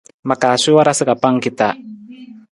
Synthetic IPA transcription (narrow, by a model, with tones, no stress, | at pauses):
ma˨ka˨si˦wa˦ɾa˦sɨ˦ka˨pa˦ŋki˦t̪a˨